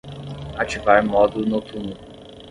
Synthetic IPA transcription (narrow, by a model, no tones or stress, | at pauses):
at͡ʃivaɾmɔd̪ʊnot̪unʊ